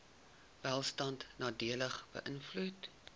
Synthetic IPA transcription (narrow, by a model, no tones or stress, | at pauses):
vælˠstɐntnɑːdiələχb̥ə̰ʔənflut